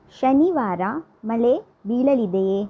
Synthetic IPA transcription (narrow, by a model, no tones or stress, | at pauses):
ʃɐniʋaːɾa | mɐle | biːɭɐlid̪e